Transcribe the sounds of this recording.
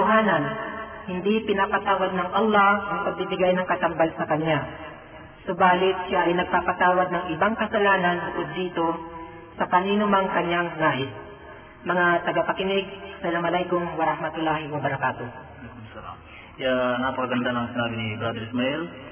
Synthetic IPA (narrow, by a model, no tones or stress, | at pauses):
ʊɦaːnɐnhɪnd̪ipɪnapat̪aːwad̪̚nɐŋʔɐlˠːahʔɐŋpɐɡ̚bɪbɪɡajnɐŋkɐt̪ɐmbalsɐkɐɲːa | sʊbaːlɪt̪̚ʃaʔɐjnɐɡ̚paːpat̪aːwad̪̚nɐŋʔɪbaŋkɐsɐlaːnanbʊkod̪ːiːt̪o̞ | sɐpɐninʊmɐŋkɐɲjaŋnaːʔɪs | mɐŋat̪ɐɡapɐkɪnɪɡ̚sɐlamɐlajɡoŋwɐɾahmɐt̪ʊlːaːhɪwɐbɐɾɐkaːt̪o | kmsɐla̰m | janapɐkaɡɐnd̪anɐŋsɪnaːbɪnibɾad̪ɛɾɪsmaʔɛl